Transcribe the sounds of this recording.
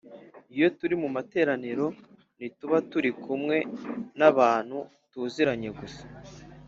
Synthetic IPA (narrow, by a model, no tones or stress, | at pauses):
ijo̞tuɾimumate̞ːɾaniɾo̞ | nituβatuɾikʰumŋe̞naβaːn̥hu | tuːziɾaɲe̞ɡusḁ